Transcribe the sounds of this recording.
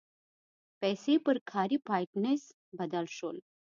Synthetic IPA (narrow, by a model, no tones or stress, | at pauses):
pɛːsepəɾkʰaɾiːpajʈnes | bəd̪əlɕoːl